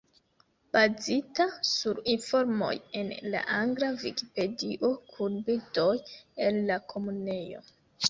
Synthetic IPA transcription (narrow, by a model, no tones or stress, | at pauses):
b̥azitasuɾinfo̞ɾmo̞̰je̞nla̰ʔaŋɡlaviki̥pe̞diʔo̞kʰuɾbito̞je̞nlakʰo̞mune̞jo̞̰